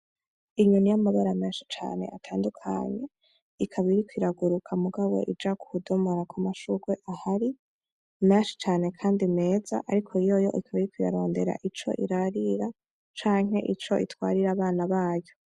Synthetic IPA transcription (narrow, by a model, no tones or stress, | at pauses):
iɲunijamaβaɾameːnʃi̥t͡ʃa̰ːne̞̰ʔatʰaːndukʰa̰ɲe̞ | ikʰaβiɾikwiɾaɡuɾukʰamuɡawo̞̰ʔid͡ʒakuhudomoɾakʰamaʃuɡweʔahaɾi | meːnʃi̥t͡ʃaːne̞kʰaːndime̞ːza̰ʔaɾikʰoijo̞jo̞̰ʔikʰaβiɾikwija̰ɾo̞ːnde̞ɾa̰ʔit͡ʃo̞̰ʔiɾaɾiɾa | t͡ʃaːŋ̥he̞̰ʔit͡ʃo̞̰ʔitwa̰ːɾiɾaːβaːnaβaːjo̞